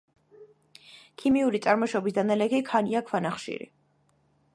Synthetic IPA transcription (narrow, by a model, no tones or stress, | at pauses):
kʰimiuɾit̪sʼaɾmɔʃɔbisd̪analɛkʰikʰaniakʰwanaχʃḭɾḭ